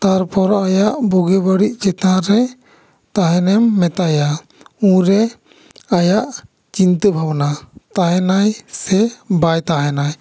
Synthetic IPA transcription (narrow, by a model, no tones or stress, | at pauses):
t̪aɾpɔɾajaʔbuɡɛbəɽiʔt͡ʃɛt̪ãɾɛ | t̪aɦɛnɛmːɛt̪aja | ũɾɛ | ajaʔ | t͡ʃint̪əbʱabnat̪aɦɛnajsɛbajt̪aɦɛnaj